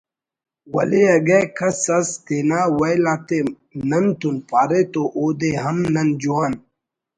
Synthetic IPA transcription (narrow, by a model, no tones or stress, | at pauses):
wɐ̰leɐɡɐkʰɐsɐst̪eːnaːwɐjlaːt̪e | nɐnt̪unpaːɾet̪oʔoːd̪eɦɐmnɐnd͡ʑuwaːn